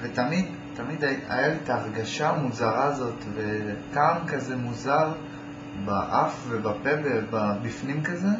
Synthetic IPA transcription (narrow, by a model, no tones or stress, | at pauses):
vet̪amid | t̪amid̪aa̰jaliet̪aːʁɡaʃamuzaʁaːzo̞t̪vekamkazemuzaʁ | baʔafvebapebebabifnimkaze